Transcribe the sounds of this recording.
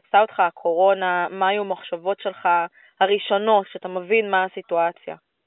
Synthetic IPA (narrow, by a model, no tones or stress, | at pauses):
t͡saot̪χaːkʰo̞ʁo̞namaːjumaχʃavo̞tʃe̞lχa | haʁiʃo̞no̞tʃeat̪amevinmaasituat͡sja̰